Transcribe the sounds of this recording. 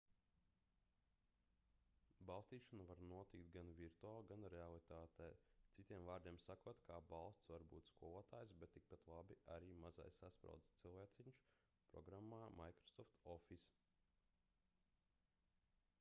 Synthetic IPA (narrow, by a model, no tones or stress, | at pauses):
balˠst̪iːʃanavaɾnuɔt̪ikt̪̚ɡanviɾt̪uaːlˠɡanɾealˠit̪aːt̪ɛːt̪sit̪ʲiɛmvaːɾd̪iɛmsakuɔt̪kʰaːbɑlˠst̪svaɾbṵːt̪skuɔvoɔt̪aːjsbɛt̪ːik̚pat̪lˠabiaɾiːmaza̰jsaspɾa̰wd̪st̪silˠvɛːt̪siɲʃ | pɾɔ̰ɡɾamːaːma̰jkɾɔ̥sɔft̪ɔfis